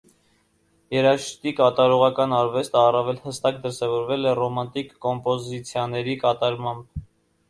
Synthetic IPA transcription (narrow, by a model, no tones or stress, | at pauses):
jɛɾɑʃt̪ikɑt̪ɑɾɔʁɑkɑnɑɾvɛst̪əɑrɑvɛlhəst̪ɑkd̪əɾsɛvɔɾvɛlɛrɔmɑnt̪ikːɔmpɔzit͡sʰjɑnɛɾikɑt̪ɑɾmɑmb̚